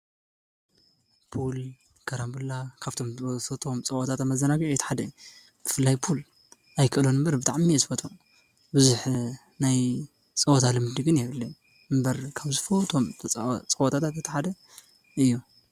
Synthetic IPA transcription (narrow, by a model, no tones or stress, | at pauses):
pʰul | kʰɐɾambɨlakʰaβt̪ʰo̞mfɐt̪ʰo̞mt͡sʼɐwot̪ʰat̪amɐzːɐnaɡiʕjɛt̪ʰħad̪ɐ | b̥ɨfɨlːajpʰul | ajkʰɨʔɨlonɨmbɐɾbɨt̪ʰʼaʕmiezɨfɐt̪ʼu | bɨzuħ | naj | t͡sʼɐwot̪ʰalɨmd̪ɨɡɨnjɛβɨlːe | ɨmbɐɾkʰaβzɨfɐwt̪ʰo̞mʰt͡sʼɐwot̪ʰat̪ʰat̪jet̪ʰːɐħad̪ɐ | ɨjːu